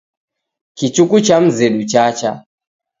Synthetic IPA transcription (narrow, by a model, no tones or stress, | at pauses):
kit͡ʃukut͡ʃam̩zɛɗut͡ʃat͡ʃa